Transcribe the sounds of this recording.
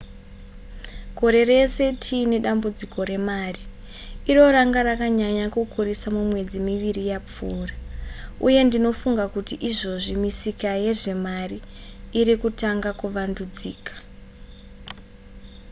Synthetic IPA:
ko̞ɾe̞re̞se̞tʰiːne̞ɗambud͡ziko̞ɾe̞maːri | iro̞ɾaŋɡaɾakaɲaɲakukurisamumwe̞d͡zimiʋirijap͡fuːrauje̞ndino̞fuŋɡakutiʔiʐo̞ʐimisikaje̞ʐe̞mariː | ɾikutaŋɡakuʋandud͡ziːkḁ

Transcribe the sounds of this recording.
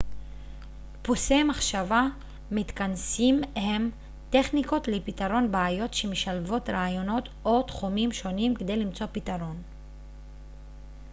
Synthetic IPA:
pusemaχʃava | mit̪kansimhem | t̪e̞χniko̞tlepit̪aɾo̞nbaajo̞tʃemeʃalvo̞t̪ɾaajo̞no̞t̪ | ot̪χumimʃo̞nimked̪e̞jlimt͡so̞pit̪aɾo̞n

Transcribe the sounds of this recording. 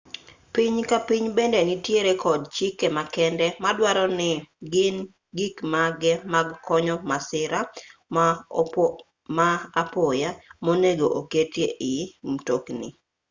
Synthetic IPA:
piɲkapiɲbendenɪtjeɾekɔdt͡ʃikːemakɛndɛmadwaɾɔnɪɡɪn | ɡikmaɡɛmaɡkɔɲɔmasɪɾa | maapojamoneɡoʔoketjeʔɪmtoknḭ

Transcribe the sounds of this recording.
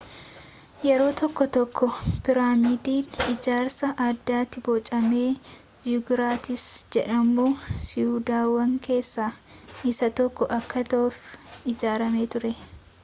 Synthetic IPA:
jɛɾo̞ːt̪ɔkːɔt̪ɔkːɔpɪɾaːmɪd̪iːnɪd͡ʒaːɾsɐʔɐd̪ːaːt̪ːɪbɔːt͡ʃʼɐme̞ː | jʊɡɾaːt̪ɪsd͡ʒɛᶑɐmuːsɪuːd̪aːwɐŋke̞ːsːaːɪsɐt̪ɔkːɔʔɐkːɐt̪ɐʔʊfɪd͡ʒaːɾɐme̞ːt̪ʊɾɛ

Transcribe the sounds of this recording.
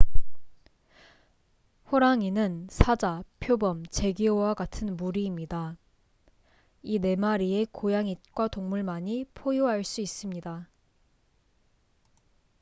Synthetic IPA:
ɸoɾaŋinɯnsʰad͡ʑapʰjobʌmt͡ɕe̞ɡiowaɡatʰɯnmuɾiːmɲida | ine̞maɾie̞kojaŋit̚kwatoŋmuɭmaɲipʰojoɦaɭs͈uis͈ɯmɲida

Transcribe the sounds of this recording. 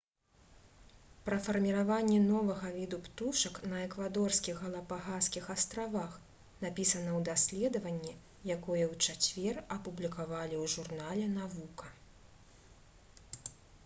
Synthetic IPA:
pɾɐfɐrmʲiɾavanʲːɛnɔvɐɣɐvʲid̪upt̪uʂɐknɐɛkvad̪ɔrskʲiɣɣɐlˠɐpaɣaskʲixast̪ɾavax | napʲisɐnɐwd̪asʲlʲɛd̪ɐvɐnʲːi | jakɔjɛwt͡ʂat͡sʲvʲɛrɐpublʲikavalʲiwʐurnalʲɛn̪avukɐ

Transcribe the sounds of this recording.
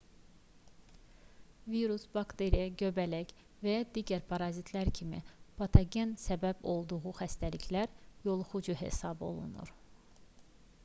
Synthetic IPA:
viɾusb̥ɑkt̪eɾijæɟøbælæc | væjɑd̪iːɟæɾpʰɑɾɑzit̪ʰlæɾcʰimḭb̥ɑt̪ʰɑɡensæbæbo̞lˠd̪uɣuxæst̪æliçlæɾjo̞lˠχud͡ʒuɦḛsɑbo̞̰lˠṵnṵɾ

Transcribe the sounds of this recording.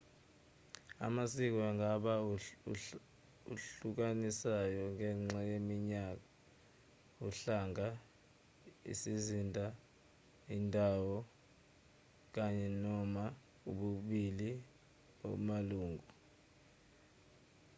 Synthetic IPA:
a̰masik̬ɔaŋʱaɓa | ṵɬuk̬anisajɔŋʱɛŋ͡ǁajemiɲak̬a | uɬaŋʱa | ḭsizindʱa | indʱawɔ | k̬aɲɛnɔma | uɓuɓili | o̰maluːŋʱu

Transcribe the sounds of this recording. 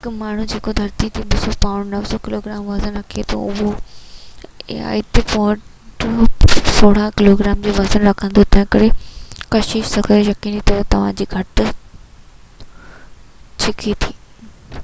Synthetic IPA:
ɦɪkmaːɳ̤ud͡ʑeːkod̪ʱɐɾt̪it̪ʰiɓɪsopaːʊɳnɐʋsokɪloːɡɪɾaːmʋɐzənɾɐkʰiet̪ʰo̰ʊɦo | a̰ɪt̪epoːʈ | soːɽ̤ãkɪloːɡɾaːmd͡ʑoːʋɐzənɾɐkʰə̃nd̪ot̪ɐ̃ɦɪ̃kɐɾekɐʃɪʃsɐkʰəɾejɐkinit̪ʰot̪ɐʋ̤ãd͡ʑiːɡʱɐʈ | t͡ɕʰɪkʰit̪ʰiː

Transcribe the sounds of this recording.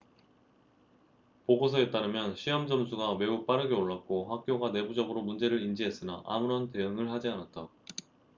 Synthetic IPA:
poɡosʰʌe̞t͈aɾɯmjʌnɕʰijʌmd͡ʑʌmsʰuɡame̞up͈aɾɯɡe̞oɭːak̚k͈oɸak̚k͈joɡane̞bud͡ʑʌɡɯɾomund͡ʑe̞ɾɯɾind͡ʑiɦe̞s͈ɯnaʔa̰muɾʌnte̞ɯŋɯɭhad͡ʑianat̚t͈a

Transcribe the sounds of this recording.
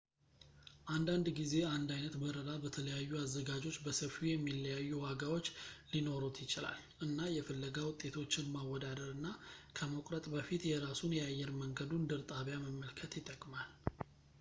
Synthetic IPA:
ʔand̪and̪ɡize̞and̪ajnət̪bəɾəɾabət̪ʰələjajːuazːəɡad͡ʒo̞t͡ʃːbəsəfijɛmːilːəjajːuwaɡawo̞t͡ʃːlino̞ɾut̪ʰjɪt͡ʃɪla̰l | ʔɨnːajɛfəlːəɡawʊt̪ʼːe̞t̪ʰo̞t͡ʃːɪnmawːɔd̪ad̪əɾɨnːakʰəmokʼɾət̪ʼbəfit̪jɛɾasunjɛajːɛɾməŋɡəd̪und̪ɨɾt̪ʼaβjaməmːəlkʰət̪jɪt̪ʼːəkʼmal

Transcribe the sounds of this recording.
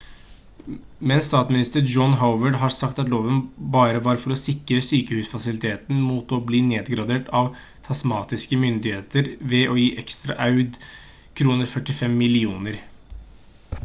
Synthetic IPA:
mɛnst̪ɑːt̪mɪnɪst̪əɾd͡ʒɔnɦaʊʋəɖɦɑɾsɑkt̪ɑt̪loːʋənbɑːɾəʋɑɾfɔɾɔsɪkːɾəsyːkəhʉːsfɑsɪlɪt̪ʰeːt̪n̩muːt̪ɔbliːneːd̪ɡɾɑd̪eːʈʰɑʋ | t̪ʰɑsmɑːt̪ɪskəmʏnd̪ɪheːt̪əɾʋɛʔɔjiːʔɛkst̪ɾɑ̰ʔɑʉd̪ | kʰɾuːnəɾfœʈɪfɛmːɪlɪuːnəɾ

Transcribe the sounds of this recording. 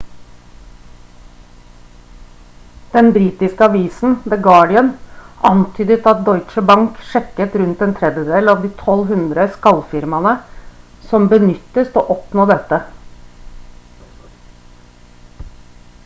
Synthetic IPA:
d̪̥ɛnbɾiːt̪ɪskəɑʋiːsn̩d̪ɛɡɑːɖɪənʔɑnt̪ʰyːd̪ət̪ɑt̪̚d̪ɔʏt͡ʃəbɑŋkʃɛkːət̪ɾʉnt̪eːnt̪ʰɾɛd̪jəd̪eːlɑʋd̪iːt̪ʰɔlɦʉnd̪ɾəskɑlfɪɾmɑnə | sɔmbənʏt̪ːəst̪oːʔɔpnoːd̪ɛt̪ə

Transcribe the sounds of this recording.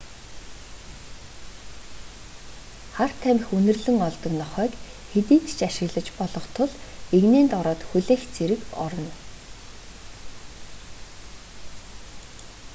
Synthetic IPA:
χar̥t̪ʰæmʲɘ̆xɵnɵ̆rɮɘ̆ŋɔɮt̪ɞ̆knɔχœːk | xet̪iːnt̪t͡ɕaʃɪ̆ɣɮə̆t͡ɕpɔɮɞ̆χt̪ʰʊɮeɣneːnt̪ɔɾɔːt̪xuɮeːxt͡sʰeɾɘ̆kɔ̰ɾɞ̆n

